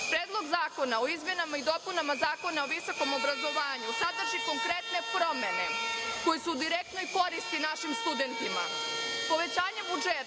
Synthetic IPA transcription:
pɾeːd̪lˠo̞ɡzaːko̞nao̞izmje̞namaid̪o̞punamazaːko̞naoʋiso̞ko̞mo̞bɾazo̞ʋaːɲusad̪r̩ʒiko̞ŋkɾe̞t̪ne̞pɾo̞me̞ne̞ko̞jesuːd̪iɾek̚t̪no̞jko̞ɾist̪inaʃimst̪ud̪e̞nt̪ima̰po̞ʋe̞t͡ɕaːɲebud͡ʒe

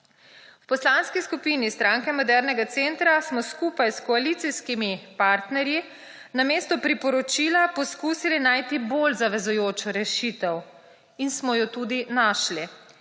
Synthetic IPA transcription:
wpɔslanskiskupiːnist̪ɾãŋkɛmɔd̪ɛɾnɛɡat̪sent̪ɾasmɔskuːpajskɔalit̪siskimipaɾt̪nɛɾji | nameːst̪ɔpɾipɔɾɔt͡ʃiːlapɔskuːsilinaːjt̪ibolzaʋɛzujoːt͡ʃɔɾɛʃit̪ɛw | insmɔjɔt̪uːd̪inaʃli

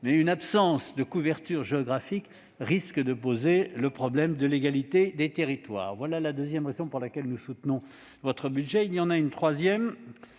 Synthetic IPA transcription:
mɛynapsɑ̃sd̪əkuvɛʁt̪yʁʒeɔɡʁafik | ʁiskəd̪əpozeləpχɔblɛmd̪əleɡalit̪ed̪et̪eʁit̪wa̰ːʁvwalalad̪øzjɛmʁezɔ̃puʁlakʲɛlnusut̪nɔ̃ | vɔt̪χəbyd̪ʒɛiljɑ̃naynt̪χwazjɛm

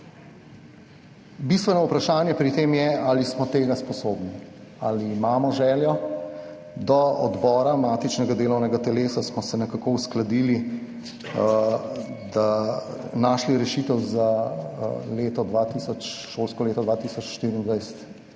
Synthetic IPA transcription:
bist̪ʋɛnɔupɾaʃaːnjɛpɾit̪eːmjɛalismɔt̪eːɡaspɔsoːbnia̰liːmaːmɔʒɛːljɔ | d̪ɔɔd̪bɔːɾamaːt̪it͡ʃnɛɡad̪eːlɔwnɛɡat̪ɛleːsasmɔsɛnɛkakousklad̪iːli | d̪a | naːʃliɾɛʃiːt̪ɛwza | leːt̪ɔd̪ʋat̪isɔt͡ʃʃoːlskɔleːt̪ɔd̪ʋaːt̪iːsɔt͡ʃʃt̪iːɾind̪ʋajsɛ̥t̪

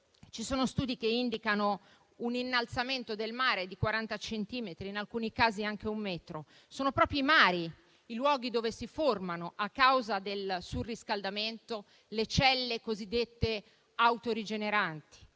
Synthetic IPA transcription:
t͡ʃisoːnost̪uːd̪ikeind̪ikano | uninːalt̪sament̪od̪elmaːɾed̪ikwaɾant̪at͡ʃent̪iːmet̪ɾiːnalkuːnikaːziaŋk̟eumːɛːt̪ɾo | soːnopɾɔːpɾiːmaːɾi | ilwɔːɡid̪oːvesiformanoʔakːawzad̪elsuriskald̪ament̪o | let͡ʃɛlːekozid̪ːet̪ːe | awt̪oɾid͡ʒeneɾant̪i̥

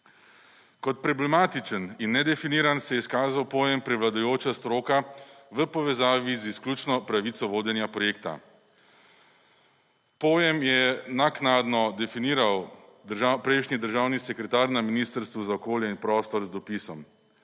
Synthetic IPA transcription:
kɔt̪̚pɾɔblɛmaːt̪it͡ʃəninːɛd̪ɛfiniːɾansɛjɛiskaːzawpoːjɛmpɾɛʋlad̪ajoːt͡ʃast̪ɾoːkaʋəpɔʋɛzaːʋizisklʲuːt͡ʃnɔpɾaʋit̪sɔʋoːd̪jɛnjapɾɔjeːkt̪a̰ | poːjɛmjɛnaknad̪nɔd̪ɛfiniːɾawd̪ʒapɾɛɪʃnid̪əɾʒaːwnisɛkɾɛt̪aːɾnaminiːst̪əɾst̪ʋuzaɔkoːljɛinpɾɔːst̪ɔɾzd̪ɔpisɔm

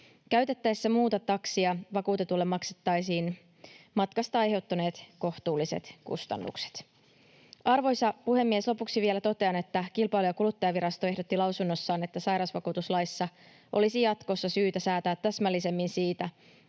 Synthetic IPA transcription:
kæɥt̪e̞t̪ːæjsːæmuːt̪ɑt̪ɑksiɑʋɑkuːt̪e̞t̪ulːemːɑkse̥t̪ːɑjsiːn | mɑt̪kɑst̪ɑɑjɦe̞wt̪ːɑne̞ːt̪ko̞ht̪uːlːise̞̰t̪kṵst̪ɑ̰nːṵkse̥t̪ | ʔɑrʋo̞jsɑpuhe̞mːieslo̞puksiʋielæt̪o̞t̪e̞ɑne̞t̪ːækilpɑjlujɑkulut̪ːɑjɑʋiɾɑst̪o̞eɦdo̞t̪ːilɑwsunːo̞sːɑːne̞t̪ːæsɑjɾɑsʋɑkuːt̪uslɑjsːɑ | ʔo̞̰lisijɑt̪ko̞sːɑsyːt̪æsæːt̪æːt̪ːæsmælːise̞mːinsiːt̪æ

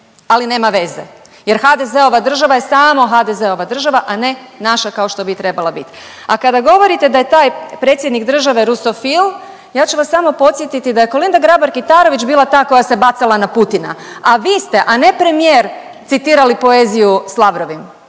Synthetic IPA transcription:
aline̞ːmaʋe̞ze̞̰ | je̞ɾxad̪e̞ze̞o̞ʋad̪r̩ʒaʋaje̞saːmo̞ɦad̪eze̞o̞ʋad̪r̩ʒaʋaʔane̞naʃakao̞ʃt̪o̞bit̪ɾe̞balˠabit̪ | akad̪aɡo̞ʋo̞ɾit̪e̞d̪aje̞t̪aːjpɾe̞ːt̪sʲjed̪nikd̪r̩ʒaʋe̞ɾusofil | jaːt͡ʃuʋasːamo̞po̞t̪sjet̪it̪id̪aje̞ko̞lind̪aɡɾaboɾkit̪aːɾo̞ʋit͡ɕbiːlˠat̪aːko̞jase̞bat̪salanaput̪ina̰aʋiːst̪e̞ʔane̞pɾe̞mijeːɾ | t̪sit̪iːɾalipo̞e̞ːzijuslˠaʋɾo̞ʋim

